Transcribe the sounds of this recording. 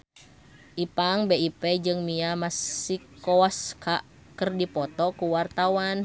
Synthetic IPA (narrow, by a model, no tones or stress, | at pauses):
ʔipaŋbeipɛd͡ʒɨŋmiamasikːɔaskaʔ | kərdipɔt̪ɔkuwart̪awan